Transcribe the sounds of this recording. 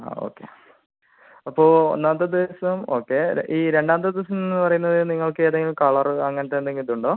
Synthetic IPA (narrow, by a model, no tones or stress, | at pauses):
a̰ːo̰ːkːḛ | ɐpːoːo̰nːaːnt̪ːɐd̪iɐsɐmo̞̰ːkːe̞iːɾe̞ɳɖaːnt̪̬ːɐd̪iɐsɐmennːɨpɐrɐjunːɐðɨniŋːɐɭkɨeːðeŋɡilkɐɭɐrɨɐŋːɐnɐt̪ːeːnd̪eŋɡilðuɳɖoː